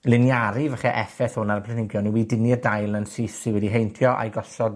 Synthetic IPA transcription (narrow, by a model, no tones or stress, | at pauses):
lɪnjaɾivaχɛʔɛfɛθhʊnarpʰlˠɛnɪɡjɔnuwidɪniədajlˠnənsiθsɪwɛdiɦejntʰjɔʔa̰jɡɔɬɔd